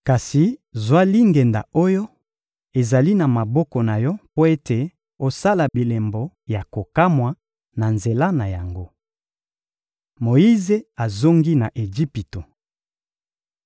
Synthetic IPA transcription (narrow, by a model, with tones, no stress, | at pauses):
ka˨si˨zwa˦li˦ŋɡɛ˨nda̰˨o˦jo˦ | e˨za˨li˦na˨ma˨bɔ˦kɔ˨na˨jɔ˦po˦e˦te˨ | o˦sa˦la˨bi˨le˨mbɔ˨ | ja˨ko˨ka˦mwa˨ | na˨nze˨la˦na˨ja˨ŋɡo˦ | mo˨i˦ze˦a˨zo˦ŋɡi˦na˨ʔe˨ʒi˦pi˨to˨